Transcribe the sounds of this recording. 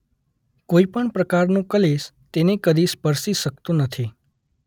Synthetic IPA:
koipəɳpɾəkaɾnũkəles | t̪enekəɾispəɾsiʃəkt̪ũnət̪ʰi

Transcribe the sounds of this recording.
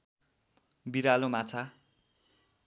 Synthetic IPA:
biɾalõmat͡sʰa

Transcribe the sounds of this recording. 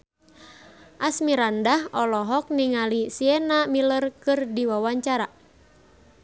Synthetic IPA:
ʔasmiɾandahɔlɔɦɔk̚niŋalisiɛnamilərkɨrdiwawaɲt͡ʃaɾa

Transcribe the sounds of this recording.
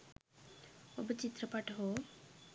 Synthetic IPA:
obət͡ʃit̪ɾəpaʈɦo

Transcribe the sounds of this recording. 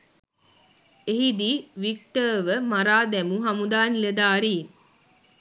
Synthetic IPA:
eɦid̪iʋik̚ʈəːʋəmaɾaːd̪ɛmuɦamud̪aːnled̪aːɾiːn

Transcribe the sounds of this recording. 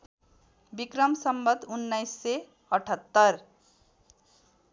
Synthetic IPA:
bikɾʌmsʌmbʌd̪unːajsːe | ʌʈʰʌt̪ːʌr

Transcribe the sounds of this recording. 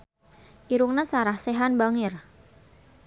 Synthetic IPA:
ʔiɾuŋnasaɾahseɦanbaŋɪr

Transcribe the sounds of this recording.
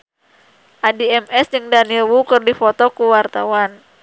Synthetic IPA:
ʔadiɛmɛsd͡ʒəŋdanilwukɨrdifɔt̪ɔkuwart̪awan

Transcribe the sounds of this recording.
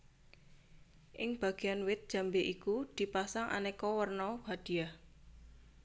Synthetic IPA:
ʔɪŋb̥a̤ɡ̥eanwɪt̪̚dʒ̥a̤mbeʔikud̪̥i̤pasaŋʔa̰nekɔwərnɔhad̪̥i̤a

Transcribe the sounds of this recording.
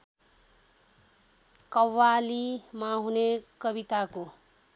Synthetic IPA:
kʌwːalimaɦunekʌbit̪ako

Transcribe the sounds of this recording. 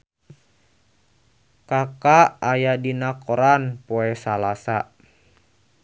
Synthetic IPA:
kakaajadinakoɾanpoɛsalasa

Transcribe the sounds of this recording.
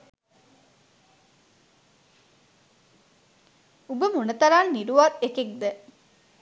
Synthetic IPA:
ubəmunət̪ɐɾaːnːiɾuʋaɾekek̚d̪ə

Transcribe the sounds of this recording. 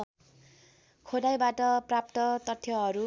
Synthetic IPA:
kʰod̪ajbaʈʌprap̚t̪ʌt̪ʌt̪ʰːjʌɦʌɾu

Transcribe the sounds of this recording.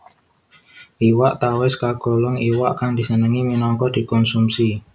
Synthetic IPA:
ʔiwaʔt̪awɪskaɡ̥ɔ̤lɔŋiwaʔkaŋd̪̥i̤sənəŋiminɔŋkɔd̪̥i̤kɔnsumsi

